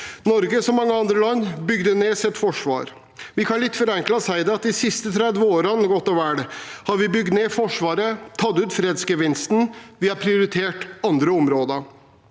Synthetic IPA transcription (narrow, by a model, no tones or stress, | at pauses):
nɔɾɡəsɔmːɑŋːəɑnd̪ɾəlɑnːbʏɡd̪əneːsɛt̪ːfɔʂʋɑ̰ːɾ | ʋɪkʰɑnlɪt̪ːfɔɾɛŋklɑsæɪd̪ɛɑt̪̚d̪ɪsɪst̪ət̪ʰɾæd̪ʋəoːɾɑnɡɔt̪ːɔʋæːɽhɑɾʋɪbʏɡt̪neːfɔʂʋɑːɾət̪ʰɑt̪ːʉːt̪fɾeːd̪sɡəʋɪnst̪n̩ʋɪhɑpʰɾɪʊɾɪt̪ʰeːʈɑnd̪ɾəɔmɾoːd̪ə